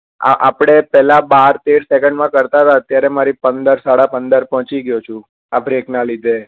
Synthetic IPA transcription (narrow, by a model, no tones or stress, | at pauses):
a̰ʔapɽ̃epɛlabaɾt̪eɽsekəɳɖmãkəɾt̪aɦt̪aət̪jaɾemaɾipənd̪əɾsaɽapənd̪əɾpɔɦt͡ʃiɡjot͡ʃʰũ | abɾeknalid̪ʱe